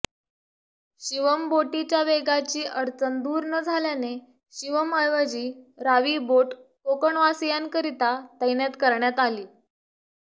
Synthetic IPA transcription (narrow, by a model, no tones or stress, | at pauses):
ɕiʋəmboʈit͡ɕjaʋeɡat͡ɕiːʔəɾt͡sənd̪uːɾnəd͡zʱaljane | ɕiʋəməjʋəd͡ʑiːɾaʋiboʈkokəɳʋasijankəɾit̪at̪əjnjat̪kəɾɳjat̪aliː